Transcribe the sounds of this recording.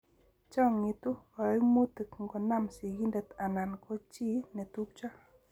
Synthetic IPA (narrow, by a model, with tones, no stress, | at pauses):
t͡ʃa˦ŋːi˨t̪u˦wa˨ɾmu˦t̪ɨ˨kŋɡɔ˨na˦˨msi˨ɡi˦ndə˨t̪a˨na˨nkʰo˦t͡ʃi˦ne˨t̪u˦k̚t͡ʃa˦